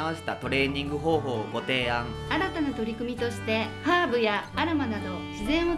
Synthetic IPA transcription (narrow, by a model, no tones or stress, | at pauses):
aβase̞̥t̪at̪o̞ɾe̞ːɲ̟ĩŋɡɯ̟ɦo̞ːɦo̞ːɡo̞t̪e̞ːãŋ | aɾat̪anat̪o̞ɾʲikɯ̟mʲit̪o̞ɕi̥t̪e̞haːbɯ̟jaːɾamanad̪o̞ɕizẽ̞ɰ̃o̞